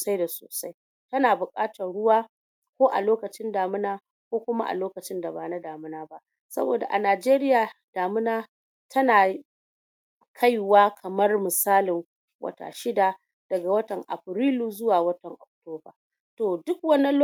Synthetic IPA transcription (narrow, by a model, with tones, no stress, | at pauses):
sa˦jda˨so̰ː˨sa˦j | tɐ˦naː˨bʊ˨kʼaː˦tɐ˨rɽʊ˦waː˦ | kʷoː˦ʔa̰˨loː˦kɐ˨t͡ʃɪ˦ndaː˨mɪ˦naː˦ | kʷoː˦kʷʊ˦ma̰˦ʔa̰˨loː˦kɐ˨t͡ʃɪ˦nda˨baː˨na˦daː˨mɪ˦naː˦ba˦ʔ | sɐ̰˦bo̰ː˨da̰˨ʔa˨naː˨d͡ʒeː˦ɾɪ˦jaː˨d̥aː˨mɪ˦naː˦ | tʰɐ˦naː˨ | kʰa˦jwaː˦kʰɐ˨mɐ˦rmɪ˨saː˦lɪ˨ŋ | wɐ̰˦ta̰ː˨ʃɪ˦da˨ | d̥ɐ˨ɡa˨wɐ˦tɐ˨ŋʔa̰˨ɸɾiː˦luː˦zʊ˦waː˨wɐ˦tɐ˨ŋʔɔ˨k̚toː˦ba̰ː˨ | toː˨dʊ˦k̚wɐ˦ni˦l